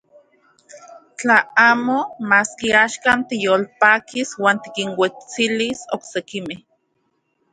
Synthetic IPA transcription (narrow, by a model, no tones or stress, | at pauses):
t͡ɬaaːmomaːskiaːʃkaːnt̪ijoːlpaːkiswaːnt̪i̥kiŋwet͡silisoksekimeh